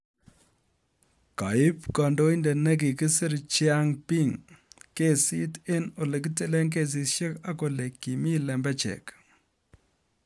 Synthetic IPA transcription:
ka̰˨ɪ˦pkɔ˨ndo˦i˦ndɛ˨ne˦k̬i˨ki˦sɪ˦ɾt͡ʃɪa˦ŋpi˦ŋke˦˨si˦te˦no˨le˨k̬i˦te˨le˦ŋk̬e˦˨s̬i˦tʃe˦ka˦ko˨le˨kːi˨mi˦lɛ˨mbɛ˦t͡ʃɛ̰˨k

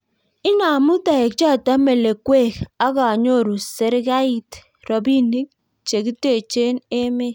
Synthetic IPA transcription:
ɪ˦na˨mu˦ta˨ɛ˨k̚t͡ʃa˦˨ta˦me˨le˨kwe˦˨ka˦ka˨ɲo˦˨ɾu˨se˦ɾka˦i˨t | ɾɔ˨bi˦ni˦k̚ | t͡ʃe˨ɡi˦te˨t͡ʃe˦ne˦me˦

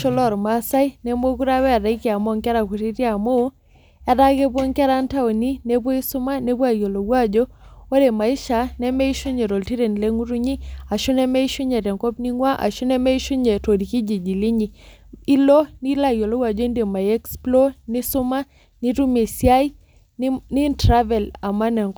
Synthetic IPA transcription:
ʃɔ˦lɔ˦˨ɾma˨˦sa˦i˦ne˦mo˦ku˦ɾa˦wɛ˦a˨da˨i˦ke˨a˨mo˦ŋkɛ˦ɾa˨ku˨ɾi˦tja˨mo˦ | a˨da˦ke˦p̬ɔ˦ŋkɛ˦ɾa˦nta˦o˨ni˦ne˦p̬wo˦i˦su˦ma˦ne˦pwa˦jo˨lo˨wa˦d͡ʒo˦o˦ɾe˨ma˨i˦ʃa˨nɛ˦mɛ˦i˦ʃu˦ɲe˨ɾo˨lti˦ɾe˨n˨le˦ŋu˦ɾu˦ɲi˦a˨ʃu˦nɛ˦mɛ˦i˦ʃu˦ɲɛ˨tɛ˨ŋkɔ˦pni˦ŋwa˦ʔa̰˨ʃu˦nɛ˦mɛ˦i˦ʃu˦ɲɛ˨to˨ɾi˨ki˦d͡ʒi˨d͡ʒi˨li˦ɲi˨ | i˦lɔ˦ni˦la˦jɔ˨lɔ˦wa˨d͡ʒɔ˦i˦nde˨ma˨jɛ˦ksplɔ˦ni˦su˦ma˦ | ni˦tu˦me˨sja˦i˦ | ni˦ntɾa˦vɛ˨la˨ma˦nɛ˨ŋk

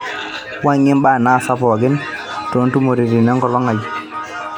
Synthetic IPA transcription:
wa˦ɲɪ˦mbaː˦˨naː˦˨sa˦pɔ˨ɡɪ˦n | to˨˦ntu˦mo˨ɾi˨ɾi˨nɛ˦ŋkɔ˨lɔ˦ŋa˨j

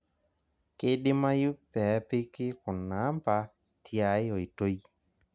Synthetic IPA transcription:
kɪ˦ɗɪ˦ma˦ju˦pɛ˨˦pɪ˦kɪ˦kʊ˨nːa˨˦mpa˨ | tʰja˨˦jo˨i˨to˦j

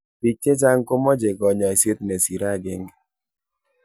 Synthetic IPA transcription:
bi˨tːe˦ta˦ŋ̩˦ko˦mɔ˦d͡ʒe˨kɔ˨ɲɔ˨e˨se˦tne˨si˨ɾa˦˨ɡe˦ŋ˨

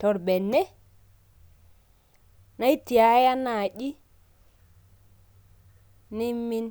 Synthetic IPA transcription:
tɔ˨ɾbe˨nːɛ˦ | na˦i˦ti˨a˨˦ja˦na˨ɗi˦ | ni˦mːi˦n

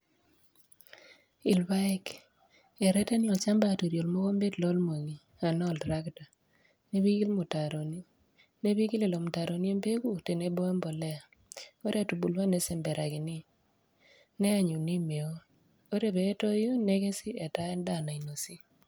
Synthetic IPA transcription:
ɪ˨lba˦ɛ˦k | ɛ˨ɾɛ˦tɛ˦njɔ˨lt͡ʃa˦mba˦˨to˨ɾjo˨lmo˦ko˦mbe˦dlɔ˦lmo˨ŋi˨ | a˨nɔ˦˨ldɾa˦kta˨ | ne˦bi˦ɡi˦lmʊ˨ta˨ɾo˨ni˦ | ne˦bi˦ɡi˦le˨lo˨mʊ˨ta˨ɾo˨ni˦e˦mbe˦ɡu˦te˨ne˦bɔ˦ɛ˦mbɔ˨lɛ˦a˨ | o˦ɾa˨tu˨bu˨lwa˦nɛ˦sɛ˨mbɛ˨ɾa˨ɡɪ˨nɪ˦ | nɛ˦a˨ɲu˨ni˦me˨o˦ | o˦ɾe˦˨bɛː˨˦to˦jo˦ne˦ɡe˦sɪ˦ɛ˨ta˦ɛ˦nda˦˨na˨i˨no˨si˦

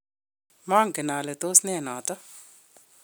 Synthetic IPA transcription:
ma˦ŋkɪ˨na˨lɛ˨t̪o˦snɛ˦˨nɔ˨tɔ˦

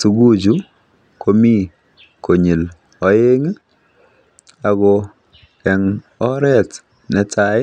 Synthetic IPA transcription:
tu˨ɡu˦d͡ʒu˦ | kʰo˦mi˦ | ko˨ɲi˨l | ɔ˨je˦ŋ˦ | a˨ɡɔ | kɛ˨ŋ | ɔ˦ɾɛ˦t | nɛ˨tʰaɪ˦

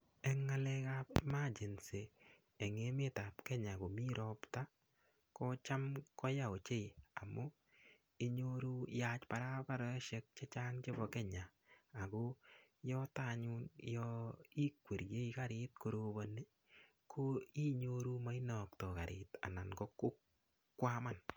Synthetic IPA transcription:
ɛ˦ŋːa˦lɛ˦kapma˦d͡ʒe˨nseː˨ | ŋe˦me˦ta˨pkɛ˦ɲa˨ko˨mi˦ɾɔpta˦ | kɔ˦t͡ʃa˦mkɔ˦ja˨o˨t͡ʃe˦i˨a˨mo˦ | i˦ɲoɾu˦ja˦t͡ʃpa˨ɾa˦pa˦ɾɔ˦ʃe˦k̚t͡ʃe˦t͡ʃa˦ŋt͡ʃe˦bɔ˨kɛ˦ɲaː˨ | ko˦jɔ˦ta˦ɲu˦njɔ˦i˦kwe˨ɾje˦ika˦ɾɪt̚ko˨ɾobone˦ | kʰo˦i˦ɲoɾu˦ma˦i˦nɔ˨ktɔ˨ka˨ɾʔɪ̰ta̰˨na˨nɡɔ˦kːo˦k | kːwa˦ma˦n

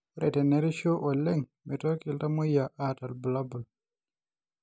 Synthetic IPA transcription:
ɾʔɛtɛ˨nɛɾi˦ʃo˦ʔɔ˨lːɛ˦ŋmi˨tɔ˦ɾki˨lta˦mo˦jaʔata˨lbu˨labu˨l

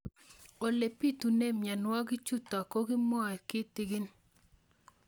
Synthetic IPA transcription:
o˨le˨pi˦tu˨ne˦mja˨nwɔ˦ɡi˦t͡ʃu˦ta˨ko˦ɡi˦mɔ˦a˨kɪ˦tɪ˨ɡɪ˦n

